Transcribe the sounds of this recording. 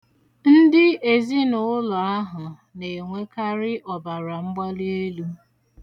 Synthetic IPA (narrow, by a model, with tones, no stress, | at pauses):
n̩˦dɪ˦e˨zi˦nʊ˨ʊ˦lʊ˨a˦ɦʊ˨ | ne˨e˨ŋʷe˦ka˦ɾɪ˦ʔɔ˨ba˨ɾa˨ŋ͡m̩˦ɡ͡ba˦li˦e˦lu˦